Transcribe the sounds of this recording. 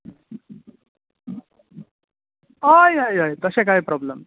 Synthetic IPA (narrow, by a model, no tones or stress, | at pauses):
ajajajt̪əsek̬aɦipɾɔbləm